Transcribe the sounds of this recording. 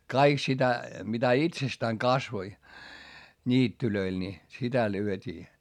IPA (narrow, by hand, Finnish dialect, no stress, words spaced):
kɑik sitæ mitæ itsestæːŋ kɑsʋoi nʲiːtːyløil ni sitæ lyøtʲiː